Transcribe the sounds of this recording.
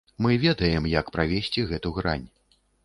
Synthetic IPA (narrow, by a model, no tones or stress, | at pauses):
mɨvʲɛd̪ɐjɛmjɐkpɾavʲesʲt͡sʲiɣɛt̪uɣɾa̰nʲ